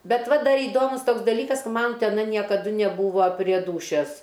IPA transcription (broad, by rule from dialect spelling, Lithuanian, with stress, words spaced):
ˈbʲɛt ˈʋɐ ˈdɐr iːˈdoːmʊs ˈtoːks dɐˈlʲiːkɐs kɐ ˈmɐn tʲɛˈnɐ nʲiɛkɐˈdʊ nʲɛˈbuːʋɐ pʲrʲiɛ ˈduːʃʲɛs